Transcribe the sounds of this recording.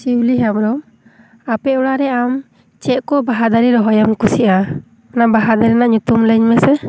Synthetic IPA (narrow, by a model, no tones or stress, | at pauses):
t͡ʃiwliɦamɾɔm | apɛuɽaɾɛam | t͡ʃɛʔkɔbaɦad̪aɾiɾɔɦɔjamkusiʔa | anabaɦad̪aɾinaʔɲut̪umləɲmɛsɛ